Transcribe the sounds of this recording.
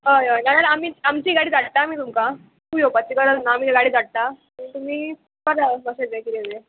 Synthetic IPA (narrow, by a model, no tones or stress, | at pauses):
ɦəjəjnaɾalamiːamt͡ɕiːɡaɽiːd͡zaʈ̚t̪amiːt̪umka | kujopat͡ɕikəɾənaːm̤iːɡaɽiːd͡zaɽ̚t̪a | it̪um̤iː | kəɾabəsətekiɾeʋe